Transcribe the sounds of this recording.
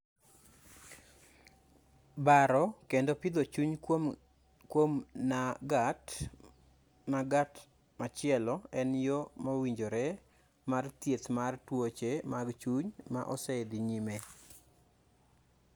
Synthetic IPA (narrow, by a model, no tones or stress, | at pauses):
baɾɔkendopid̪ot͡ʃuɲ | kwomnaɡat | maɡat | mat͡ʃɪɛlɔɛnjomowiɲd͡ʒoɾɛ | mart̪jetmartwot͡ʃemaɡt͡ʃuɲma̰ʔɔsɛd̪iɲime